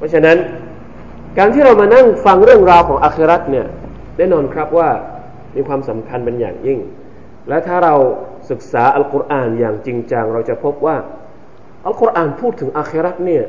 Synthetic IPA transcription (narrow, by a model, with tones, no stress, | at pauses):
pʰɔ˦˥t͡ɕʰa˧na˦˥n | kaː˧nt̪ʰiː˥˩ɾa˧wmaː˧na˥˩ŋfa˧ŋɾɯ˥˩əŋɾaː˧wkʰɔː˩˦ŋʔaː˧xʰi˦˥ɾa˦˥t̪̚ni˥˩ɐ | nɛː˥˩nɔː˧nkʰɾa˦˥p̚waː˥˩ | miː˧kʰwaː˧msa˩˦mkʰa˧npe˧nja̰ː˨˩ŋji˥˩ŋ | lɛː˦˥wt̪ʰaː˥˩ɾa˧w | sɯ˨˩k̚saː˩˦ʔa˧lko˧ɾʔaː˨˩njaː˨˩ŋt͡ɕi˧ŋt͡ɕa˧ŋɾa˧wt͡ɕa˨˩pʰo˦˥p̚waː˥˩ | ʔa˧lkʰo˦˧˥ʔaː˨˩npʰuː˥˩t̪ʰːɯ˩˦ŋʔaː˧xʰi˦˥ɾa˦˥t̪̚ni˥˩ɐ